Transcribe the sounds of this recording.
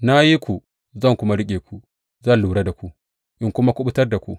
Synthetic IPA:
na˦ji˦kʷu˨ | zɐ˦˨ŋkʷʊ˦ma˦ɽɪ˦kʲʼeː˨kʷu˨ | zɐ˦nluː˨ɽe˦da˨kʷu˨ | ʔɪ˦ŋkʷʊ˦ma˦kʷʊ˦ɓʊ˦tɐ˦rda˨kʷṵ˨

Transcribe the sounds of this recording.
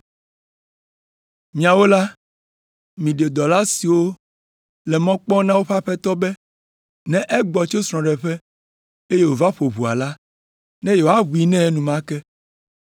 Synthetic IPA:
mĩ˨a˨wo˦la˦ | mĩ˨ɖe˨d̪ɔ˨la˦si˨wo˦ | lɛ˨mɔ̃˦k͡pɔ̃˦nã˦wo˦ɸa˦ɸɛ˦t̪ɔ˦bɛ˦ | nɛ̃˦ʔɛ˦ɡ͡bɔ˨t͡ʃo˦sɾ̃ɔ̃˨ɖɛ˨ɸɛ˦ | e˦je˦wo˨va˦ɸo˨βu˨a̰˨la˦ | nɛ̃˦je˨wo˨˦a˦βu˨i˦nɛ̃˦nũ˨mã˦kɛ˦

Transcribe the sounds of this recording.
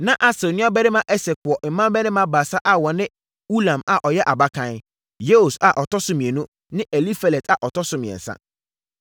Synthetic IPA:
nã˦ʔa˨sɛ˨nũ˦a˦bɛ˦nɪ̃˦mã˦ʔɛ˦se˨kʊ˨ɔ˨ʔm̩˨mːã˦bɛ˦nɪ̃˦mã˦baː˨sa˦ʔa˦wɔ˨nɪ̃˦ | u˦lã˨ma˨ʔɔ˨jɛ˦ʔa˨ba˦kʰã˦n | je˦o˨sa˨ʔɔ˨tɔ˦sʊ˦mĩ˨e˨nũ˦ | nɪ̃˦ʔe˨li˦fe˦le˨tʰa˨ʔɔ˨tʰɔ˦sʊ˦mɪ̃˨ɛ̰˨n̩˨sã̰˦

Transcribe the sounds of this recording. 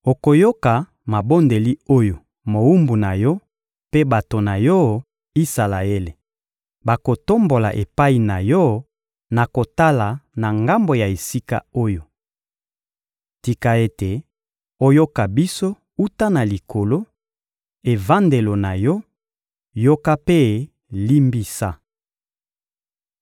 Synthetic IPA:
o˨ko˨jo˦ka˨ | ma˨bo˦nde˨li˦o˦jo˨ | mo˨u˦mbu˨na˨jɔ˦ | pe˦ba˨to˨na˨jɔ˦ | i˦sa˨la˨e˦le˨ | ba˨ko˨to˦mbo˨la̰˨ʔe˨pa˦i˨na˨jɔ˦ | na˨ko˨ta˦la˨na˨ŋɡa˦mbo˨ja˨e˨si˦ka̰˦o˦jo˨ | ti˨ka˨e˦te˨ | o˦jo˦ka˨bi˦so˦ | u˦ta˦na˨li˨kʰo˨lo˦ | e˨va˦nde˨lo˨na˨jɔ˦ | jo˦ka˦pe˦˨ | li˦mbi˦sa˦

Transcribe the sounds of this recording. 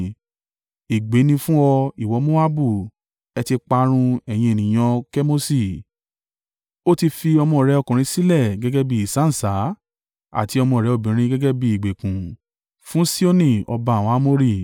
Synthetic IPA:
i˨ɡ͡be˨˦nĩ˧fũ˦ɔ˧i˨wɔ˨˧˦mo˦a˦bu˦˨ | ɛ˧ti˧k͡pa˧ɾ̃ũ˧ɛ˨j̃ĩ˧e˨nĩ˨j̃ɔ̃˧kɛ˦mo˦si˦˨ | o˦ti˧fi˧ɔ˧mɔ̃˧˨ɾɛ˨˧ɔ˧kũ˨ɾ̃ĩ˧˦si˦lɛ˦˨ɡɛ˦ɡɛ˦bi˧˦i˨sã˨˦˨sa˨˦ | a̰˦˨ti˨˦ɔ˧mɔ̃˧˨ɾɛ˨˦o˨bĩ˨ɾ̃ĩ˧ɡɛ˦ɡɛ˦bi˧i˨ɡ͡be˨kũ˨ | fũ˦si˦o˦nĩ˦˨ɔ˧ba˧˨w̃ã˨˦a˦mo˦ɾi˦˨

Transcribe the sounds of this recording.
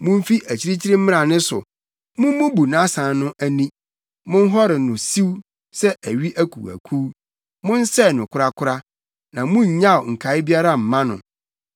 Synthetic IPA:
mʊ̃˦m˦fi˦ʔæ˨t͡ɕʰi˦ɾi˦t͡ɕʰi˦ɾɪ˦m̩˦m̃˦ɾã˨nɪ̃˦sʊ̰˨ | mʊ̃˦m˦mʊ̃˦bu˨nã˦sã˨nʊ̃˦ʔæ˦nĩ˦ | mʊ̃˦n˦ɦɔ˦ɾɪ˨nʊ̃˨si˦w | sɛ˦ʔæ˨ɥi˦ʔæ˦kʰṵ˨æ̰˨kʰuː˦ | mʊ̃˦n̩˦sɛ˦˨nʊ̃˨kʰʊ˦ɾa˦kʰʊ˦ɾa˦ | nã˨mʊ̃˦ɲ̩˨ɲã˦˨o˨ŋ̩˨kʰa˨˦ɪ˦bi˦a˦ɾa˦m̩˨mã˦nʊ̰̃˨

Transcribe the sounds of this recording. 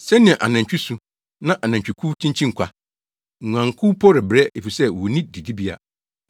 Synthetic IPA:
sɛ˦nɪ̃˨ɛ̃˨ʔa̰˨nã˨ɲt͡ɕᶣi˦sũ˨ | nã˦ʔa˨nã˨t͡ɕᶣi˨kʰu˦tʰĩ˦ɲt͡ɕʰĩ˦ŋ̩˨kʷʰa˨ | ŋʷ˨ã˨ŋkʰʊ˦pʰɔ˦ɾɪ˨bɾɛ˦e˨fi˨sɛ˦wɔ˨nĩ˦di˨di˦bi˦a̰˨

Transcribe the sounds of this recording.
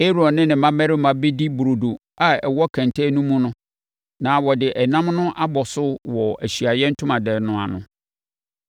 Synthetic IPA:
e˦ɾɔ˨nɪ̃˦nɪ̃˨mã˦mɛ˦ɾɪ˦mã˨be˦di˦bu˨ɾo˨do˨ | a˦ɛ˨wɔ˦kʰã˨ntʰɛ˦nũ˦mũ˦nʊ̃˦ | nãː˨˦wɔ˨dɪ˨ʔɛ˨nã˦mnʊ̃˦ʔa˦bɔ˨sʊ˦wɔ˨æ˨ɕi˨a˨jɛ˦n̩˦tʰʊ̃˦mã˨dɛ˨nʊ̃˨a̰˨nʊ̰̃˨

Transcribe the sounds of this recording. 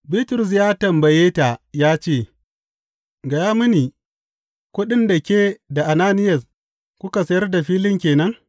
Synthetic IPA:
biː˦tʊ˨ɾʊ˨s̬jaː˦tɐ˨mbɐ˨jeː˦ta˨jaː˦t͡ʃeː˦˨ | ɡɐ˨jaː˦mʊ˦niː˨ | kʷʊ˦ɗɪ˦nda˨kʲeː˦da˨ʔa˨naː˦nɪ˦jɐ˨s | kʷʊ˦ka˨sɐ˦jɐ˦rda˨ɸiː˦lɪ˦ŋkʲeː˨nɐ˦ŋ

